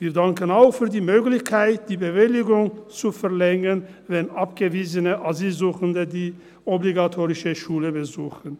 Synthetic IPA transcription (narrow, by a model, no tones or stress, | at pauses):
viːɐdaŋkənaʊxfyːɐdiːmøːklɪçkʰaɪt̚d̥iːbəvɪlɪɡʊŋt͡sufɛɐʁlɛŋən | vɛnʔapɡ̥əviːzənəʔaziːlzuːxəndədiː | ɔbliɡatʰoːʁɪʃəʃuːləbəzuːxən̩